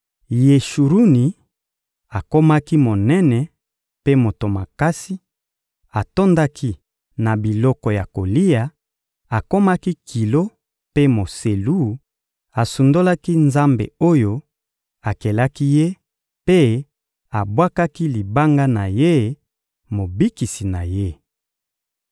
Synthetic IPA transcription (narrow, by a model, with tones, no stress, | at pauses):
je˨ʃu˨ɾu˦ni˨ | a˨ko˦ma˦ki˦mo˨nɛ˦nɛ˨ | pe˦mo˨to˨ma˨ka˦si˦ | a˨to˦nda˦kʰi˦ | na˨bi˨lɔ˦kɔ˨ja˨ko˨li˦ja˨ | a˨ko˦ma˦ki˦kʰi˨lo˦ | pe˦mo˨se˨lu˦ | a˨su˨ndo˦la˦ki˦nza˦mbḛ˨o˦jo˦ | a˨kɛ˨la˦ki˦je˦ | pe˦ | a˨bwa˦ka˦ki˦li˨ba˦ŋɡa˦na˨je˦ | mo˨bi˦ki˨si˨na˨je˦